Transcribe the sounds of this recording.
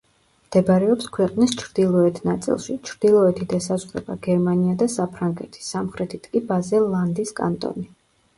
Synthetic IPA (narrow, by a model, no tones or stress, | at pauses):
md̪̥ɛbɾɛɔpskʰwɛqʼnist͡ʃʰɾd̪̥ilˠɔɛt̪ʰnat̪sʼḭlˠʃit͡ʃʰɾd̪̥ilˠɔɛt̪ʰid̪asazʁɛ̰baɡ̥ɛɾmaniad̪asapʰɾaŋɡɛt̪ʰi̥samχɾɛt̪ʰit̪ʼkʼibazɛlˠand̪iskʼa̰nt̪ʼɔ̰ni